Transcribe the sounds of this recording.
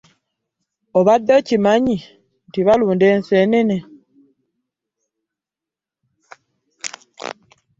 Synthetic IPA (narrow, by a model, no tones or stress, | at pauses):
oβadːocimaɲi | ntiβaluːndeːnsenene